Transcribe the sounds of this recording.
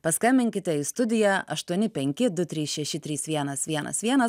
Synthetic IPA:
pɐskɐmʲbʲɪŋʲkʲɪt̪ʲɛist̪ʊd̪ʲɪjæʔɐʃt̪uɔnʲɪpʲɛŋʲkʲɪd̪ʊt̪ʲɾʲiːsʃʲɛʃʲɪt̪ʲɾʲiːsʋʲiɛnɐsʋʲiɛnɐ̰sʋʲiɛnɐs

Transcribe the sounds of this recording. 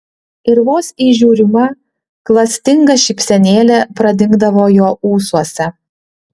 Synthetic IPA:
ɪɾʋoːsiːʒʲuːɾʲɪmɐ | klˠɐsʲt̪ʲɪŋɡɐʃʲɪpʲsʲɛnʲeːlʲɛpɾɐd̪ʲɪŋɡd̪ɐʋoːjoːuːsuɔsʲɛ

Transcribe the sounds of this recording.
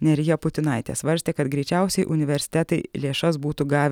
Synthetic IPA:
nʲɛɾʲɪjoːpʊt̪ʲɪnɐɪt̪ʲḛsʋɐɾʲsʲt̪ʲeːkɐt̪ɡɾʲɛɪt͡ʃʲɛˑʊsʲɛɪʔʊnʲɪʋʲɛɾʲsʲɪ̥t̪ʲɛt̪ɐɪlʲeːʃɐsbuːt̪ʊɡɑːʋʲ

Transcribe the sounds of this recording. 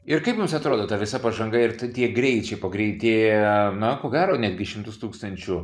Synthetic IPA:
ɪrkɐɪpmʊmsɐt̪ɾoːd̪oːt̪ɐʋʲɪsɐpɐʒɐŋɡɐɪrt̪ɐt̪ʲiɛɡɾʲɛɪt͡ʃʲɛɪpoːɡɾʲɛɪt̪ʲeːjɛnɐkoːɡʲæːɾoːnʲæːd̪ʲɡʲɪʃʲɪmt̪ʊst̪uːkst̪ɐnʲt͡ʃʲʊ

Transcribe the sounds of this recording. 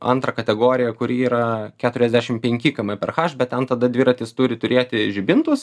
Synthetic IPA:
ɐ̰nt̪ɾɐkɐt̪ʲɛɡoːɾʲɪjɛkʊɾʲiiːɾɐkʲæːt̪ʊɾʲɛzʲd̪ʲæːʃʲɪmpʲɛŋʲkʲɪkɐmɐpʲɛrxɑːʃbʲɛt̪tʲɛnt̪ɐd̪ɐd̪ʲʋʲɪɾɐt̪ʲɪst̪ʊɾʲɪt̪ʊɾʲeːt̪ʲɪʒʲɪbʲɪnt̪ʊs

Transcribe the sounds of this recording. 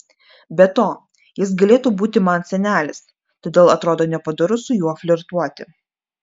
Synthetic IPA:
bʲɛt̪oː | jɪsɡɐlʲeːt̪uːbuːt̪ʲɪmɐnsʲɛnʲæːlʲɪs | t̪oːd̪ʲeːlˠɐt̪ɾoːd̪oːnʲɛpɐd̪ʊɾʊsʊjuɔfʲlʲɪɾt̪uɔt̪ʲɪ

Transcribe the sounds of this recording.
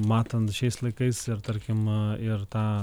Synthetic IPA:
maːt̪ʰɐnd̪ʃeːslɐkɐjsɐɾt̪ɐɾkʲimiɾt̪a

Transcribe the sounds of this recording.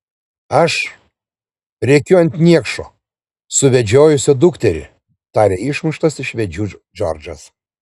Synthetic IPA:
ɐʃ | ɾʲɛɪkʲʊɐnʲt̪ʲnʲiɛkʃo̰ː | sʊʋʲɛd͡ʒʲoːjʊsʲɪd̪ʊkt̪ʲɛɾʲɪ̰ | t̪ɑːɾʲeːɪʃmʊʃt̪ɐsɪʃʋʲɛd͡ʒʲuːd͡ʒɔ̰ɾd͡ʒɐs

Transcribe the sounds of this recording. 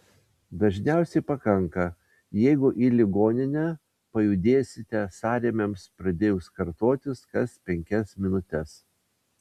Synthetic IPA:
d̪ɐʒʲnʲæˑʊsʲɛɪpɐkɐŋˑkɐ | jɛɪɡʊʔiːlʲɪɡoːnʲɪnʲɛ | pɐjʊd̪ʲeːsʲɪt̪ʲɛsɑːɾʲeːmʲemspɾɐd̪ʲeːjʊskɐɾt̪oːt̪ʲɪskɐspʲɛŋʲkʲɛsmʲɪnʊt̪ʲɛs

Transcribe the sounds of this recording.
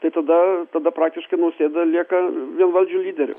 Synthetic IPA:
t̪ɐɪt̪ɐd̪ɐt̪ɐd̪ɐpɾɑːk̚t̪ʲɪʃkɐɪnɐʊsʲeːd̪ɐlʲiɛkɐʋʲiɛnʋɐlʲd͡ʒʲuːlʲiːd̪ʲɛɾʲʊ̰

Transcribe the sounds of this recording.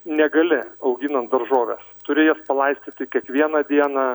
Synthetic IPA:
nʲɛɡɐlʲɪɐʊɡʲɪnɐnt̪̚d̪ɐɾʒoːʋʲɛ̰st̪ʊɾʲɪjoːspɐlˠɐɪsʲt̪ʲɪt̪ʲɪkʲiɛkʋʲiɛnɐd̪ʲiɛnɑ

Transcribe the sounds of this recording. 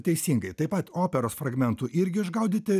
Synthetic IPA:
t̪ʲɛɪsʲiːŋɡɐɪt̪ɐɪpɐt̪oːpʲɛɾoːsfɾɐɡmʲɛnt̪uːʔɪɾʲɡʲɪɪʒɡɐʊd̪ʲɪːt̪ʲɪ

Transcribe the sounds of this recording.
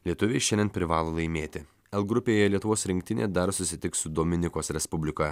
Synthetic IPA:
lʲiɛt̪ʊʋʲɛɪʃʲɛnd̪ʲɛnpʲɾʲɪʋɑːlˠoːlˠɐɪmʲeːt̪ʲɪ | ɛlˠɡɾʊpʲeːjɛlʲiɛt̪ʊʋoːsɾʲɪŋʲkt̪ʲɪnʲḛd̪ɐɾsʊsʲɪt̪ʲɪksʊd̪oːmʲɪnʲɪkoːsɾʲɛspʊbʲlʲɪko

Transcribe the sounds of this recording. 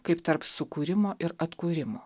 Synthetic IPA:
kɐɪpt̪ɐɾpsʊkuːɾʲɪmoːʔɪɾɐt̪kuːɾʲɪmoː

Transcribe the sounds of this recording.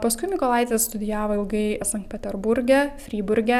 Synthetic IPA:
pɐskʊɪmʲɪkoːlˠɑˑɪt̪ʲʋʲɛsst̪ʊd̪ʲɪjæːʋoːɪlˠɡɐɪsɐŋkt̪pʲɛt̪ʲɛɾbʊɾʲɡʲɛfʲɾʲiːbʊɾʲɡʲɛ

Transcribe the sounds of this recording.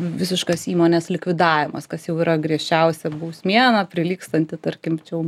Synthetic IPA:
ʋʲɪsʲɪʃkosiːmoːnʲeːslʲɪkʋʲɪd̪ɑːʋʲɪmɐ̰skɐsjɛʊiːɾɐɡɾʲiɛʃʲt͡ʃʲɛʊsʲɛbuːsʲmʲiɛnɑpʲɾʲɪlʲiːkst̪ɐnʲt̪ʲɪt̪ɐɾʲkʲɪmt͡ʃʲɛʊ

